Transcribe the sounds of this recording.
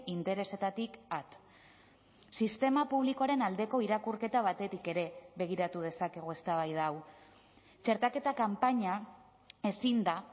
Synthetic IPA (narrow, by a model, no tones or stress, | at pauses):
int̪e̞ɾe̞se̞t̪at̪ikat̪ | sist̪e̞mapuβ̞liko̞aɾe̞nald̪e̞ko̞iɾakuɾke̞t̪aβ̞at̪e̞t̪ike̞ɾe̞βe̞ɣ̞iɾat̪uð̞e̞sake̞ɣ̞oe̞st̪aβ̞ajð̞aw | t͡ʃe̞ɾt̪ake̞t̪akampaɲa | e̞sind̪a